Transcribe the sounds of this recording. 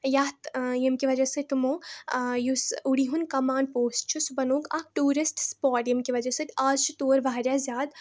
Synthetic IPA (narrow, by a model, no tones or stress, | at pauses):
jaːt̪jemkiʋɐd͡ʒɐsət̪umõːjusuɽiɦunkɐmaːnpoːsʈt͡ʃʰusubɐnoːɡaːk̚ʈuːɾisʈspɔːʈjemkiʋɐd͡ʒɐsɨt̪ʰaːzt͡ʃʰut̪oːɾʋaːɾʲjazjaːd̪